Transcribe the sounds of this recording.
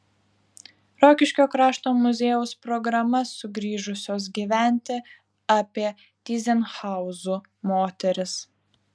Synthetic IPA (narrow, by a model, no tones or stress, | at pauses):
ɾoːkʲɪʃʲkʲoːkɾɑːʃt̪oːmʊzʲeːjʊspɾɔɡɾɐmɐsʊɡɾʲiːʒʊsʲoːs̬ɡʲiːʋʲæˑnʲt̪ʲɪ | ɑːpʲiɛ | t̪ʲiːzʲɛnxɑˑʊzuː | moːt̪ʲɛɾʲɪs